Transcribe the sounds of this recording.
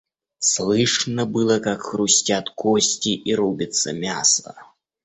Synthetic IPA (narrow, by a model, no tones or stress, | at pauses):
slˠɨʂnɐbɨlˠɐkɐkxɾusʲt͡sʲat̪kɔsʲt͡sʲiʔiɾubʲit̪sːɐmʲasɐ̰